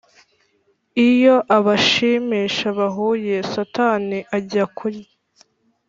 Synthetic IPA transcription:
ijo̞ʔaβaʃiːmiːʃaβaɦuːje̞sataːniʔaɟiakʰuɾi

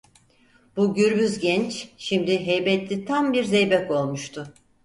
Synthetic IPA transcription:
b̥uɟyɾbyzɟɛnt͡ʃʃimd̪iɦɛjbɛt̪lʲit̪ʰambiɾzejbɛko̞lˠmuʃt̪ʰʊ

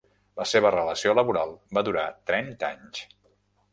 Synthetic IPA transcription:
ləseβərələsioləβuɾalˠbaðuɾat̪ɾɛnt̪a̰ɲs

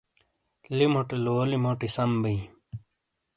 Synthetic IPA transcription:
limoʈiloːlimoʈisɐmbii

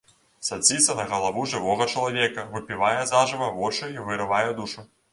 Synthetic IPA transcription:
sad͡zʲit̪sɐnɐɣɐlˠavuʐɨvɔɣɐt͡ʂɐlˠavʲɛkɐvɨpʲivajɛzaʐɨvɐvɔt͡ʂɨivɨɾɨvajɛd̪uʂɨ

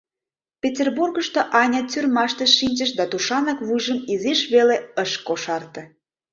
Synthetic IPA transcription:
pʲetʲerburɣəʃt̪oʔɑnʲɑt͡syrmɑʃt̪əʃinʲt͡ʃəʃd̪ɑt̪uʃɑnɑkβujʒəmizeʃβeleəʃkoʃɑrt̪ɤ̆

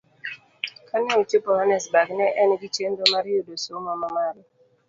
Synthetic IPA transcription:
kanɛot͡ʃepɔɾanɛsbaɡnɛʔɛnɡit͡ʃendomaɾjodosomamamaɾɔ

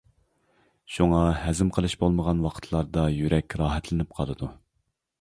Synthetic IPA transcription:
ʃuŋɑhɛzɪmqʰəlˠɨʃbolˠməʁɑnwɑqʰə̥t̪ʰlˠɑɾd̪ɑjyɾɛkʲɾɑːɦɛt̪ʰlɪnɪp̚qʰɑlˠɨd̪u

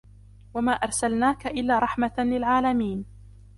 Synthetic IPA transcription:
wamaːʔɑɾˤsalnaːkaʔɪlːaːɾˤɑħmalɪlʕaːlamiːn

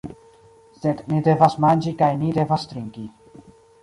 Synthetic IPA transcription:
sed̪nid̪evasmanʲd͡ʒikajnid̪evast̪ɾiŋki

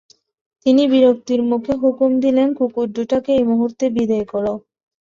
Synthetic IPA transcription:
t̪inibiɾok̚t̪iɾmukʰeɦukumd̪ilenkukuɖːuʈakeejmuɦuɾt̪ebid̪ɔekɔɽo

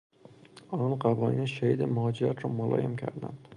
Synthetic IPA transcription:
ɒnɒnqabɒnɡʲaʃahid̪amʊhɒd͡ʒɪɾat̪ʰɾɒmʊlˠɒ̰jamkʲʰa̰ɾd̪a̰n

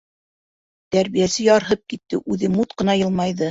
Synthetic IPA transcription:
t̪æɾβijæsɘjɑɾɦɤp̚kit̪ːɘ̰ʔʉðɘmut̪qɤ̆nɑjɤ̆lˠmɑjðɤ

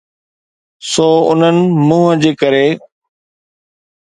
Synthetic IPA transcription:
soːʊ̰n̤ənɪ̆mũːɦəd͡ʑeːkəɾe

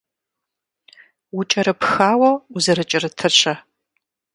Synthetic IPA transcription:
wʊt͡ʃʼɐɾɨpxaːwɐuzɐɾɨt͡ʃʼɪrɨtʰɨɕʰʼɐ

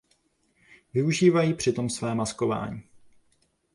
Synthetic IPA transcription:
vɪuʒiːvajiːpr̝̥ɪt̪o̞msvɛːmasko̞va̰ːɲiː

